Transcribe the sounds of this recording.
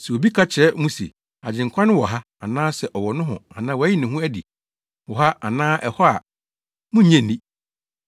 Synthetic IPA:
sɛ˨wo˨bi˦kʰa˦t͡ɕʰɪ˨ɛ˨˦mũ˦sḛ˨ | a˨d͡ʑɪ̃˨ŋ̩˨kʰʷa˦nʊ̃˦wɔ˨ɦa˦ | a˨nãː˦sɛ˨ʔɔ˨wɔ˨nʊ̃˦ɦʊ̰̃˨a˨nãː˦wɔ˨˦jɪ˦nɪ̃˨ɦʊ̃˦æ˦dḭ˨ | wɔ˨ɦa˦a˨nãː˦ʔɛ˨hɔ˦a˨ | mʊ̃˦ɲɛ̃˦˨nĩ˦

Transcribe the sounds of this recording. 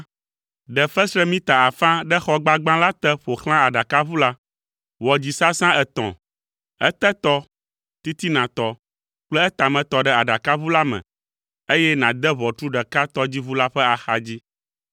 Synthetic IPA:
ɖɛ˨fɛ˦sɾɛ˦mĩ˦t̪a˨a˨fã˦ɖɛ˦xɔ˦ɡ͡ba˦ɡ͡bã˦la˦t̪ɛ˦ɸo˨xl̃ã˦a˨ɖa˨ka˦βu˦la˦ | wɔ˨d͡ʑi˨sa˦sã˦ɛ˨t̪ɔ̰̃˨ | ɛ̰˦t̪ɛ˦t̪ɔ˦ | t̪i˦t̪i˦nã˨t̪ɔ˦ | k͡plɛ˦ɛ˦t̪a˨mɛ̃˨t̪ɔ˨ɖɛ˦a˨ɖa˨ka˦βu˦la˦mɛ̰̃˨ | e˦jɛ˦nã˨d̪ɛ˦βɔ˨tu˦ɖɛ˨ka˦t̪ɔ˦d͡ʑi˦βu˦la˦ɸɛ˦a˨xa˨d͡ʑi˦

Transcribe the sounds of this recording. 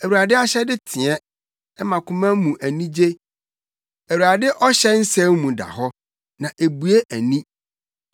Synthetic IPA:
æ˨wu˨ɾa˨dɪ˦a˦ɕɛ˦dɪ˦tʰɪ̃˨ɛ˦ | ɛ˦mã˨kʰʊ̃˦mã˦mũ˨ʔæ˨nĩ˦d͡ʑe˦ | æ˨wu˨ɾa˨dɪ˦ʔɔ˦ɕɛ˦n̩˦sɛ̃˦mmũ˨da̰˨ɦɔ˦ | nã˨ʔe˨bu˨e˦ʔæ˨nĩ˦

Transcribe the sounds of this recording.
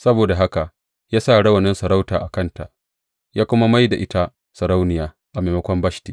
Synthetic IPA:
sɐ˦boː˨da˨ɦa˦ka˨ʔ | jaː˦sa˦˨ɽɐ˦wɐ˨nɪ˦nsɐ˨ɾa˦wtaː˨ʔa˨kɐ˦nta̰˨ʔ | jaː˦kʷʊ˦ma˦ma˦jda˨ʔɪ˦ta˦ | sɐ˨ɾa˦wnɪ˨jaː˨˦ | ʔa˨ma˨mɐ˦kʷɔ˦mbɐ˦ʃti˨

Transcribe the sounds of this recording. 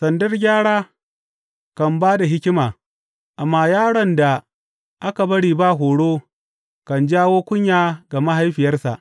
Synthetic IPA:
sɐ˨ndɐ˦rɡʲaː˦ɽaː˦ | kɐ˨mbaː˦da˨ɦɪ˦kʲɪ˦maː˨ | ʔa˨mːaː˨jaː˦ɽɐ˨nda˨ | ʔa˦ka˨bɐ˦ɽiː˨ba˦˨ɦoː˨ɽoː˦ | kɐ˨nd͡ʒaː˦woː˦kʷʊ˦ɲjaː˦ɡa˨ma˦ɦa˦jɸɪ˨jɐ˦rsa̰˨ʔ

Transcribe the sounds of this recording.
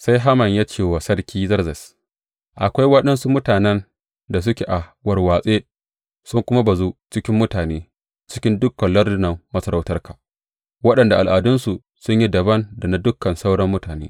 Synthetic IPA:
sa˦jɦa˦mɐ˨ɲjaː˦t͡ʃeː˦˨waː˨sɐ˦rkʲʰiː˦zɐ˦rzɐ˨s | ʔa˨kʷa˦jwɐ˦ɗɐ˦nsu˦mʊ˦taː˨nɛ˦n | da˨s̬ʊ˦kʲe˨ʔa˨wɐ˨rwaː˨sʼeː˦ | sʊ˦ŋkʷʊ˦ma˦ba˨zoː˦t͡ʃɪ˦kʲɪ˦mːʊ˦taː˨neː˦ | t͡ʃɪ̥˦kʲɪ˦ndʊ˦kːɐ˨nlɐ˦rdʊ˦nɐ˨mːɐ˦sɐ˦ɾa˦˨wtɐ˦rkḁː˨ | wɐ˦ɗɐ˨nda˨ʔa˨lʔaː˨dʊ˦nsu˨ | sʊ˦ɲji˦dɐ˨bɐ˦nda˨na˦dʊ˦kːɐ˨nsa˦wɽɐ˦mːʊ˦taː˨neː˦

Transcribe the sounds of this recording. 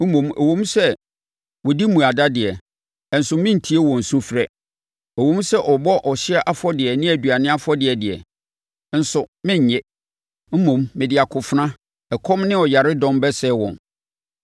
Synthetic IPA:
m̩˦mõ˨mæ̰˨wõ˦m˦sɛ˦ | wɔ˨di˦mũ˨a˨da˦dɪ˨ɛ˨ | n̩˨sʊ˨mɪ̃˦n̩˨tʰi˦e˦wɔ̃˨n̩˨sʊ̃˦fɾɛ˦ | æ˨wõ˦m˦sɛ˦ʔɔ˨bɔ˦ʔɔ˨ɕɪ˦ɛ˦ʔa˦fɔ˦dɪ˨ɛ˨nɪ̃˦æ˨dɥa˨nɪ̃˦a˦fɔ˦dɪ˨ɛ˨dɪ˨ɛ̰˨˦ | n̩˨sʊ˨mɪ̃˦ɲ˨ɲɛ̃˦ | m̩˦mõ˨mːɪ̃˨dɪ˨a˨kʰʊ˨fʊ˦nã˦ | ɛ˨kʰɔ̃˦mnɪ̃˦ɔ˨ja˨ɾɪ˦dɔ̃˦mbɛ˦sɛ˦wɔ̰̃˨n

